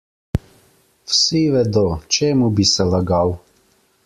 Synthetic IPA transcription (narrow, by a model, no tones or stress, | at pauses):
wsiʋɛd̪ot͡ʃeːmubisɛlaɡaw